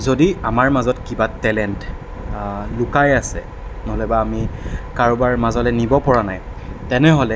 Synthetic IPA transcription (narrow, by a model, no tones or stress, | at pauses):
zodiamaɹmazɔtkibatɛlɛnt | lʊkajasɛ̰ | nɔɦɔlɔbaːmikaɹɔbaɹmazɔlɛnibɔpɔɹanajtɛnɛɦɔlɛ